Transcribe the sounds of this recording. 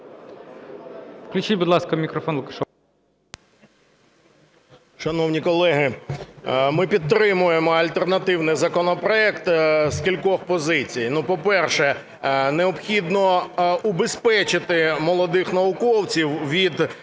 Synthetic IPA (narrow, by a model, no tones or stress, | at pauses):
klʲʊt͡ʃibʊd̪lˠɑskɐmʲikɾɔfɔnlˠʊkɐʃɔ | ʃɐnɔwnʲikɔlˠɛɦɪ | mɪpʲit̪t̪ːɾɪmʊjemɔɐlʲt̪ernɐt̪ɪwnɪjzɐkɔnɔpɾɔɛkt̪skʲilʲkɔxpɔzɪt͡sʲijnupɔpɛrʃɛ | neɔbxʲid̪nɔʊbespɛt͡ʃɪt̪ɪmɔlˠɔd̪ɪxnɐʋʊkɔwt͡sʲiwʋʲid̪